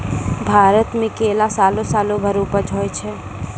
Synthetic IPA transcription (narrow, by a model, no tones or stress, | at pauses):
bʱaːɾət̪mẽkeːlasaːlõsaːlõbʱəɾupəd͡ʒʱoːjt͡ʃʰɛ